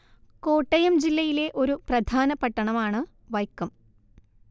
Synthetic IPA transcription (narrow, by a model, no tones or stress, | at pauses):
ko̞ːʈːɐjɐmd͡ʑilːɐjile̞ʔo̞ɾuprɐd̪ʱaːnɐpːɐʈːɐɳɐmaːɳɨ | ʋɐjkːɐm